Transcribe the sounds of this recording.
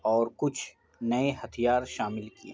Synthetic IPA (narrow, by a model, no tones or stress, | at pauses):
ɔːɾkʊt͡ʃʰ | nɐeɦɐt̪ʰijaːɾʃaːmɪlkiḛ̃